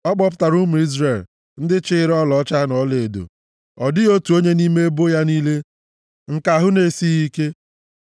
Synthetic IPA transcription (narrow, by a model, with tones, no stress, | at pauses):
ɔ˦k͡pɔ˦p̬ʊ̥˦ta˨ɾu˦mu˨i˦zre˨l | n̩˦dɪ˦t͡ʃɪ˦ɾɔ˦lɔ˨˦t͡ʃa˦nɔ˦le˨do̰˨ | ɔ˨dɪ˦o˦tu˨o˦ɲe˦ni˦me˦e˦bo˦ja˦niː˦le˦ | ŋ̩˨ka˨ɦʊ˦ne˨si˦i˦ke˦